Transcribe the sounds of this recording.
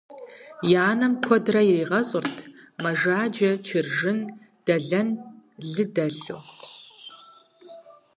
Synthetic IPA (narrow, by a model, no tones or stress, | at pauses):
jaːnɐmkʷʰɔdrɐjɪriːʁɐɕʼʊrtʰmɐʒaːd͡ʒɐt͡ʃʰɪrʒɪn | d̥ɐɮɐnɮɨdɐɮoː